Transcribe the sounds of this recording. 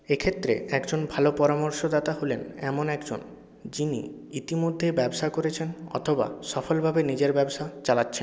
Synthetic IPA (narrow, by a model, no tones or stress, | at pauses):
ekʰet̪ːɾḛɛkd͡ʑonbʱalopɔɾamoɾʃod̪at̪aɦolenɛmonɛkd͡ʑo̰n | d͡ʑinḭ | it̪imod̪ʱːebɛboʃakoɾet͡ɕʰenɔ̰t̪ʰoba̰ʃɔfolbʱabenid͡ʑeɾbɛboʃat͡ɕalatːɕʰen